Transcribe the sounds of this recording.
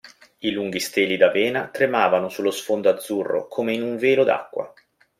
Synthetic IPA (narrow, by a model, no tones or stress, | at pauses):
iluŋɡ̟ist̪eːlid̪aveːnat̪ɾemaːvanosulːosfond̪oad̪zːurːo̰kʰoːmeinuɱveːlod̪a̰kːwa̰